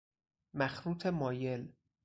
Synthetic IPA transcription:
mæxɾuːt̪ʰemɒːje̞l

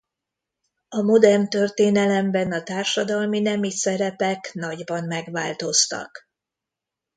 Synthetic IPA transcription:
ɒmod̪ɛrnt̪ørt̪eːnɛlɛmbɛnɒt̪aːrʃɒd̪ɒlminɛmisɛɾɛpɛknɒɟbɒnmɛɡʋaːlt̪o̞st̪ɒ̰k

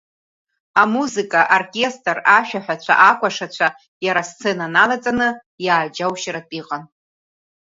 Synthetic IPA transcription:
amuzikʼaʔorkʲʼe̞stʼraʃᶣaħʷᶣat͡ɕʷʰa̰ʔakʷʰʼaʂat͡ɕʷʰa | jaɾast͡sʰenanalat͡sʼanɨ | jaːd͡ʒawʃɾatʼiqʼan

